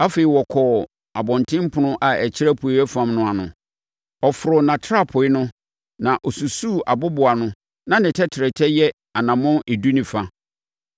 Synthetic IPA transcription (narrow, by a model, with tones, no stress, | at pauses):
a˦feː˨i˨wɔ˨kʰɔ˨ | a˨bɔ̃˨ntʰɪ̃˦m˦pʰʊ˨nʊ̃˦ʔa˨æ˨t͡ɕʰɪ˦ɾa˦pʰu˨i˨˦ɛ˦fã˨mnʊ̃˦a˨nʊ̃˨ | ɔ˨fʊ˨ɾʊ˨nã˨tʰa˦˨pʰʊ˨ɪ˦nʊ̃˦ | nã˨ʔɔ˨su˨suː˦˨a˨bʊ˦bʊ˨a˨nʊ̃˦ | nã˦nɪ̃˨tʰɛ˦tʰɪ˨ɾɛ˨tʰɛ˦jɛ˦ | a˨nã˨mʊ̃˦e˨du˦nĩ˨fa˦